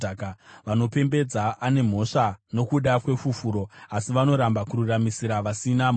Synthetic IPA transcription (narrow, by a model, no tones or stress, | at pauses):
kʋano̞pe̞mbe̞d͡zaʔane̞m̤o̞ʂano̞kuɗakwe̞fufuɾo̞asiʋano̞ɾambakururamisiɾaʋasinam